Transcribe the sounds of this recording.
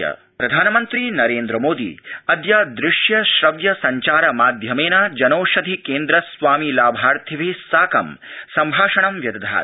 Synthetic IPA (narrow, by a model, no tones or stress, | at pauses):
ɐ̰ | pɾɐd̪ʱaːnɐmɐnt̪ɾinɐɾeːnd̪ɾɐmoːd̪ḭɐd̪jaːd̪ɾɪʂjɐʃɾɐʋjɐsɐɲt͡ʃaːɾɐmaːd̪ʱjɐmeːnad͡ʒɐnoːʃɐd̪ʱikeːnd̪ɾɐsʋaːmilaːbʱaːɾt̪ʰiʋisaːkɐmsɐmbʱaːʂɐɳɐmʋjɐd̪ɐd̪ʱa̰ː